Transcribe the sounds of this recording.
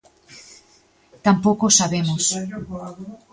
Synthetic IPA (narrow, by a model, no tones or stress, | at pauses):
t̪ampokosaβemos